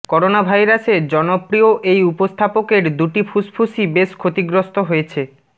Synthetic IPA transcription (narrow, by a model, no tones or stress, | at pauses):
kɔɾonabʱajɾased͡ʑɔnopɾioʔejupost̪ʰapokeɾd̪uʈipʰuspʰusibeʃkʰot̪iɡɾost̪oɦoet͡ɕʰe